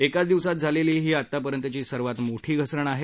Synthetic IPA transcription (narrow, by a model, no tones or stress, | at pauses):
ekat͡sd̪iʋsat̪̚d͡zʱaleliːɦiːat̪ːapəɾjənt̪ət͡ɕiːsəɾʋat̪moʈʰiːɡʱəsɾəɳaɦe